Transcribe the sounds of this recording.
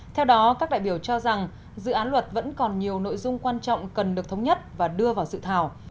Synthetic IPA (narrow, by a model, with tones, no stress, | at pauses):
t̪ʰɛ˧wɗɔ˨˦kaː˦˥k̚ɗa̰ː˧˨jɓi˧˩əwt͡ɕɔ˧za˨˩ŋ | zɨ̰˧˨ʔaː˨˦nlwə˨˩t̚və̰˧˥nkɔ˨˩nɲi˨˩əwno̰˧˨jzʊ˧ŋ͡mkwaː˧nt͡ɕɔ̰˧˨wŋ͡mkə˨˩nɗɨ˨˩ək̚t̪ʰə˨˦wŋ͡mɲə˦˥t̚vaː˨˩ɗɨ˧əvaː˨˩wsɨ̰˧˨t̪ʰaː˧˩w